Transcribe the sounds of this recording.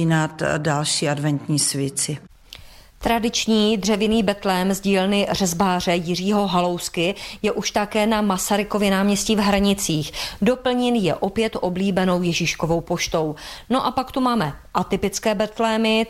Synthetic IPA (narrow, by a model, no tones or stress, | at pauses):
inat̪dalʃiːadvɛnt̪ɲiːsvjɛt͡sɪ | t̪ɾadɪt͡ʃɲiːd̪r̝ɛvɪniːbɛt̪lɛːmzɟiːlnɪr̝ɛzbaːr̝ɛjɪr̝iːɦo̞ɦalo̞wskɪjɛʔuʃt̪akɛːnamasaɾɪkovjɪnaːmɲɛsciːvɦɾaɲɪt͡siːxdo̞pl̩ɲɛnjɛʔo̞pjɛt̪ʔo̞bliːbɛno̞wjɛʒiʃko̞vo̞wpo̞ʃt̪o̞wno̞ʔapakt̪umaːmɛʔat̪ɪpɪt͡skɛːbɛt̪lɛːmɪ